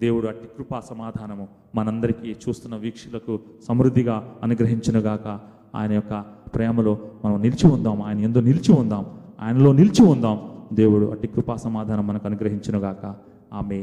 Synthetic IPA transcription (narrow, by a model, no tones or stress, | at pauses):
d̪e̞ːwuɽuɐʈi̥kɾupaːsɐmaːd̪ʱaːnɐmu | mɐnɐɐnd̪ɐɾikit͡ʃuːst̪unːɐʋiːkʂulɐku | sɐmɾud̪ʱːiɡaːɐnuɡɾɐɦiɲt͡ʃɐnuɡaːkɐ | a̰ːjɐnɐjɔkːɐpɾɛːmɐlo̞ːmɐnɐmnilt͡ʃiund̪aːmaːjɐnɐend̪oːnilt͡ʃiund̪aːmua̰ːjɐnɐlo̞ːnilt͡ʃiund̪aːmd̪e̞ːwuɽuʔɐ̰ʈikɾupaːsɐmaːd̪ʱaːnɐmːɐnɐkɐnuɡɾɐɦiɲt͡ʃɐnuɡaːkɐ | aːmeː